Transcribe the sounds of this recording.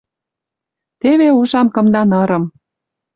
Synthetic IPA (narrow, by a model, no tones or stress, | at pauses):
t̪eβeuʃɑmkɤ̆md̪ɑnɤ̆ɾɤ̆m